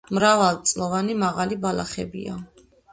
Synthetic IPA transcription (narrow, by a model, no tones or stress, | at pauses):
mɾavalˠt̪sʼlˠɔvanimaʁalibalˠa̰χɛ̰bḭa̰